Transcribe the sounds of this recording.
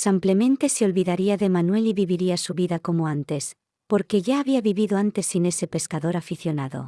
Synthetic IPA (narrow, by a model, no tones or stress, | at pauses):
sample̞mẽnt̪e̞seo̞lβiðaɾiaðe̞manwe̞liβiβiɾiasuβiðako̞moant̪e̞s | poɾke̞ʝaːβiaβiβiðoant̪e̞sːine̞se̞pe̞skaðoɾafiθjo̞naðo̰